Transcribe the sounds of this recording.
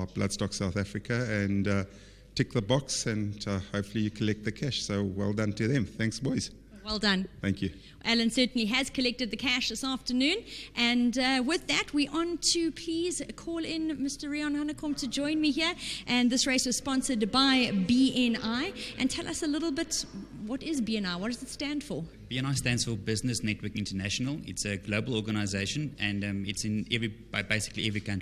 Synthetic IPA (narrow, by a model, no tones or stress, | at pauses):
b̥lʌ̰d̥stɔksaʊθæfɹɨkʰəɨ̃n | tʰeɪk̚ðəbɑksɨ̃nhoʊpfl̩ijɨkʰəlɛk̚t̪̚ðɨkʰæʃsoʊwɛ̰lˠdʌ̃ntʰɨðɨ̃mθæ̃ŋksbɔɪz̥ | wɛlˠdʌ̃nθæ̃ŋkʰjʉ | ʔælˠɨ̃nsɜˑ˞ʔn̩liɨz̥kʰəlɛk̚tɨd̪̚ðɨkʰæʃðɪsɑftənʉ̃nʔɨ̃nwɪðæt̚ʰwiʔɔ̃ntʰɨpʰl̥iːz̥kʰɔːlˠɪ̃nmɪstə˞ɹiə̃nhanəkʰɔ̃mtʰɨd͡ʒɔ̃ɪ̃nmiɦiəʔɨ̃nðɪsɹeɪswʌz̥spɔ̃nsə˞dbaɪbiɛ̃naɪʔɨ̰̃ntʰɛlʔɐsəlɪɾl̩ˠbɪt | wʌɾɪzbiɨ̃naɪwʌt̚d̥ʌzɨtstæ̃nd̥fə | b̥iɛ̃naɪstæ̃ndz̥fəbɪznəsnɛt̚ʰwə˞kɪ̃ntənæʃənəlˠɪ̰tsəɡloʊbəlˠɔɡənaɪzeɪʃə̃nɨ̃nɪtsɪ̃nɛvɹi̥ | ɪbeɪsɪ̥klḭʔɛvɹikʰʌ̃nti̥